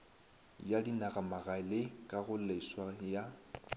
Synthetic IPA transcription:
jadinaɣamaɣalɪkʼaɣʊleswaja

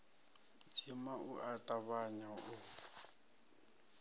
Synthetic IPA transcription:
d͡ʒʰimaʔuʔatʼaβaɲaʊ

